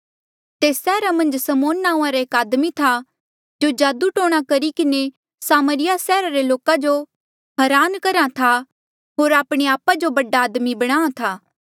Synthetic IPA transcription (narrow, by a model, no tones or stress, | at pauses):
t̪eːsːɛːɾamɐ̃nd͡ʒsɐmoːnːãːũãɾaeːkaːd̪mit̪ʰa | d͡ʒoːd͡ʒaːd̪uʈoːɽ̃akɐɾikɪne | saːməɾɪjasɛːɾaɾeloːkad͡ʒo | ɦɐɾaːnkɐɾat̪ʰa | ɦoːɾaːpɽ̃eaːpad͡ʒobɐɖaːd̪mibɐɽ̃ãːãt̪ʰaː